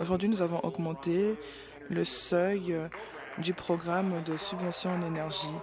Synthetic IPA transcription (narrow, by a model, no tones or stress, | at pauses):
oʒuʁd̪ɥinuzavɔ̃ʔɔɡmɑ̃t̪e | ləsœj | d̪ypχɔɡʁamd̪əsybvɑ̃sjɔ̃ɑ̃nenɛʁʒi